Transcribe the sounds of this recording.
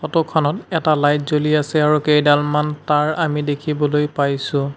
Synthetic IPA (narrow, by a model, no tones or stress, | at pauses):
xɔtɔkʰɔnɔtɛtalajtzoliasɛaɹukejdalmantaɹamidekʰibɔlojpajsʊ̃